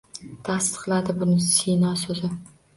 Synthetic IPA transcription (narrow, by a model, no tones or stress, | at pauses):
t̪ʰasqlˠad̪ɪbʊnɪsinɒsɵzɪ